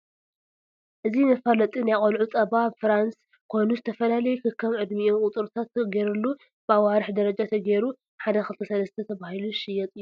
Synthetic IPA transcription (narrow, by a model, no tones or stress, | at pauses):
ʔɨzinɐfalɐt̪ʼinajχʼɐlʕut͡sʼɐbafɾans | kʰo̞jnuzɨt̪ʰɐfɐlalɐjukʰɨkʰːɐmʕɨd̪miokʼʊt̪ʼɨɾt̪ʰat̪ɡeɾɨlːu | b̥ɨawaɾɨħd̪ɐɾɐd͡ʒat̪ʰɐɡeɾu | ħad̪ɐxɨlt̪ʰɐsɐlɐst̪ʰɐt̪ʰɐβahiluʃɪjɛt̪ʼɨjːu